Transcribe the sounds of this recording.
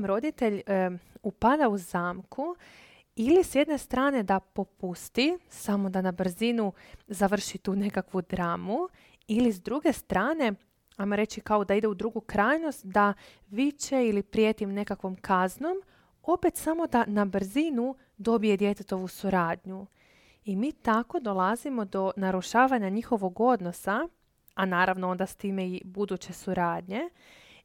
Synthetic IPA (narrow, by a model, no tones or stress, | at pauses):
mɾo̞d̪it̪e̞ʎupad̪auzaːmkʰu | ilisje̞d̪ne̞st̪ɾaːne̞d̪apo̞pust̪isamod̪anabr̩zinuzaʋr̩ʃit̪uːne̞kakʋud̪ɾaːmu | ilizd̪ɾuɡe̞st̪ɾaːne̞ | ajmo̞ɾe̞t͡ɕikao̞d̪aid̪e̞ud̪ɾuɡukɾaːjno̞st̪d̪a | ʋit͡ɕe̞ilipɾijeːt̪imne̞kakʋo̞mkʰazno̞m | o̞pe̞t̪samo̞d̪anabr̩zinu | d̪o̞bije̞d̪je̞t̪e̞t̪o̞ʋusuɾaːd̪ɲu | imiːt̪ako̞d̪o̞lˠazimo̞d̪o̞naɾuʃaːʋaɲaɲixo̞ʋo̞ɡo̞d̪no̞saː | naːɾaʋnoo̞nd̪ast̪iːmeibud̪ut͡ɕe̞suɾaːd̪ɲe̞